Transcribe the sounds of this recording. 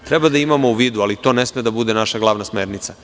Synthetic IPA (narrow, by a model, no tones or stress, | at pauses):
t̪ɾɛbad̪aimamo̞uʋiːd̪ualit̪o̞nesmed̪abud̪enaʃaɡlˠaʋnasmeːɾnit̪sa